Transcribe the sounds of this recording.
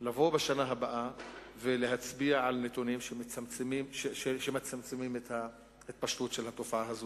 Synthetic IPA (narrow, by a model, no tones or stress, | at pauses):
lavo̞beʃanaɦabaʔaveleɦat͡sbiaʕalnet̪unimʃemet͡samt͡semimʃeʃeʃemet͡samt͡semimet̪ha | et̪̚paʃt̪ut̪ʃelhat̪ofaʔaɦazo